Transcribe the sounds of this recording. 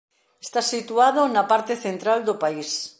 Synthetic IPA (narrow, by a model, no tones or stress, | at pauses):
est̪asit̪uað̞onapaɾt̪eθent̪ɾald̪opais